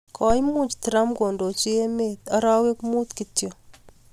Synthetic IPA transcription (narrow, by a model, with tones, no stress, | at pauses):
kʰɔ˨jmu˦t͡ʃtiɾa˦mkoː˨ndo˨t͡ʃi˦e˦met̪ɐ˦ɾa˦we˦kmu˦t̪kitjɔ˨